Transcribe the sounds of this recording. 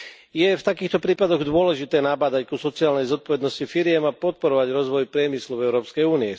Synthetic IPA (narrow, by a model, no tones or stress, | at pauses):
jɛft̪akiːxt̪ɔpɾiːpad̪ɔɣd̪ʊɔlɛʒit̪ɛːnabaːd̪ackusɔt͡siaːlnɛjzɔt̪̚pɔʋɛd̪nɔscifiɾɪjɛmapɔt̪̚pɔɾɔʋaɟɾɔzʋɔjpɾɪɛmisluɛʊɾɔːpskɛjuːniɛ